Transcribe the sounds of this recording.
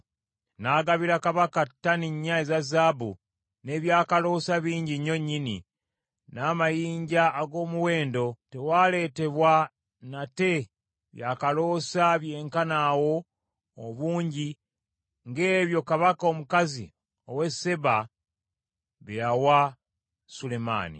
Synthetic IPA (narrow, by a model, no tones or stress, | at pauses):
naːɡaβiɾakaβakatːaniɲːaezazaːbṵ | ne̞βjaːkalo̞ːsaβiːɲɟiɲoɲːinḭ | naːmajiːɲɟaːɡo̞ːmuwe̞ːndo̞te̞waːle̞ːte̞βwa | nate̞ | βjaːkalo̞ːsaβjeːŋkanawo̞ː | βuːɲɟi | ŋɡe̞βjo̞kaβakaomukazḭ | o̞we̞se̞βa | βejawa | sule̞ma̰ːnḭ